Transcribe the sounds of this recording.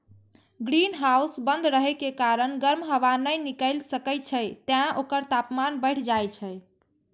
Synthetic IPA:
ɡɾinɦausbənd̪ɾəɦɛkekaɾənɡəɾmɦəʋanəjnikəjlsəkəj̪̚t͡ʃʰəjt̪jãʔokəɾt̪apmanbəɪʈʰd͡ʒajt͡ʃʰə

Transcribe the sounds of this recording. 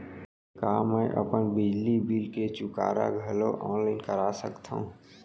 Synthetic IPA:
kaːməʔə̰pənbɪd͡ʒlibilket͡ʃʊka̰ːɾa̰ɡʱəloʔɔːnlaɪnkəɾaːsəkt̪ʰa̰ɦṵ̃

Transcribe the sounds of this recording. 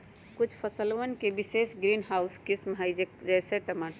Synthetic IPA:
kut͡ʃʰpʰəsəlʋənkebisesɡɾinɦaʊskisməɦaɪd͡ʒekd͡ʒɛseʈəma

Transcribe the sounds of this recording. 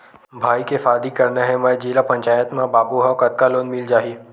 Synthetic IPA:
bʱaːikefaːd̪ikɐɾneɦɛ̃mɛ̃ːd͡ʒiːlapɐ̃ɲt͡ʃaːjət̪mãbaːbuɦakɐt̪̚kaloːnmɪld͡ʒaːɦiː

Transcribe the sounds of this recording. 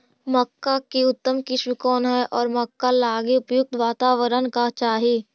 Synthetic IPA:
mɐkːakiʊt̪ːəmkɪʃmikɔːnɦɛʔɔːɾmɐkːalaːɡiʊpjʊk̚t̪ʋaːt̪aːʋəɾənkat͡ʃaːɦiː

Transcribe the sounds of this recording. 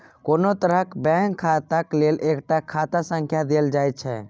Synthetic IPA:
konot̪əɾəkbɛ̃ŋkʰːat̪aklelekʈakʰat̪asə̃ŋkʰjad̪eld͡ʒajt̪̚t͡ʃʰɛ̰

